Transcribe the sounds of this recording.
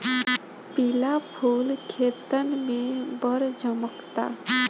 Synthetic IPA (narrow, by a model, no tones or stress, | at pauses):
pɪlapʰuːlkʰeːt̪ənmẽbəɾd͡ʒəməkt̪a̰ː